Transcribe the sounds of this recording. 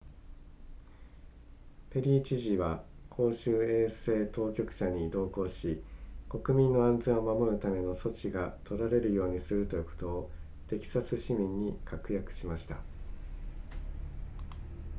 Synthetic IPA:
pe̞ɾʲiːt͡ɕiʑiβakʰo̞ːɕɨːe̞ːse̞ːt̪o̞ːkʲo̞kɯ̟̥ɕaɲ̟id̪o̞ːko̞ːɕiko̞kɯ̟mʲĩnːo̞ãnd͡zẽ̞ɰ̃o̞mamo̞ɾɯ̟t̪ame̞no̞so̞t͡ɕiɡat̪ʰo̞ɾaɾe̞ɾɯ̟jo̞ːɲ̟isɨɾɯ̟t̪o̞jɯ̟ko̞̥t̪o̞ː | t̪e̞kʲi̥sat͡sɨɕimʲĩɲ̟ːikʰakɯ̟jakɯ̟̥ɕimaɕi̥t̪a

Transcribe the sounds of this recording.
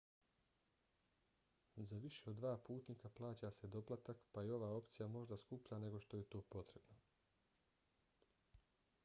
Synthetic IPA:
zaʋiʃe̞od̪ːʋaːpuːt̪niːkaplˠaːt͡ɕaːse̞d̪o̞plˠat̪akpaio̞ʋaːo̞pt̪sijamo̞ʒd̪askupʎane̞ɡo̞ʃt̪o̞je̞t̪o̞ːpo̞t̪ɾe̞bno̞

